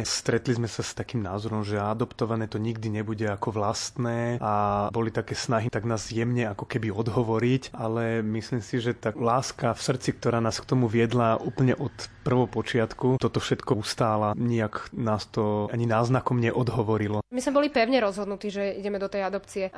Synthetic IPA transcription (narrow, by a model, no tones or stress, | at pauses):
st̪ɾɛt̪lizmɛsast̪akiːmnaːzɔɾɔmʒɛad̪ɔpt̪ɔʋanɛːt̪ɔɲiɡ̚d̪iɲɛbuɟɛakɔʋlast̪nɛːabɔlit̪akɛːsnaɦit̪aɡnaːzjɛmɲɛakɔkɛbiɔd̪ɦɔʋɔɾicʔalɛmisliːmsiʒɛt̪alaːskafsr̩t͡sik̚t̪ɔɾaːnaːskt̪ɔmuʋɪɛd̪laʔuːpl̩ɲɛʔɔt̪pr̩ʋɔpɔt͡ʃɪat̪kut̪ɔt̪ɔfʃɛt̪kɔust̪aːlaɲiaknaːst̪ɔaɲinaːznakɔmɲɛʔɔd̪ɦɔʋɔɾilɔmizmɛbɔlipɛʊɲɛɾɔzɦɔd̪nut̪iːʒɛiɟɛmɛd̪ɔt̪ɛjad̪ɔpt͡siɛ